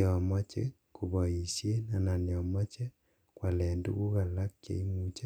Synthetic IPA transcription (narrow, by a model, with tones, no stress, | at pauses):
ɔmɔ˦t͡ʃɛ̰˦ | ko˨βɔ˨i˨sje˦na˨na˨ne˨ɔ˨mɔ˦t͡ʃɛ˦ | kwa˨lɛ˨ndṵ˦ɣu˦ɣa˨la˦kjḛ˨˦i˦mu˦t͡ʃa˦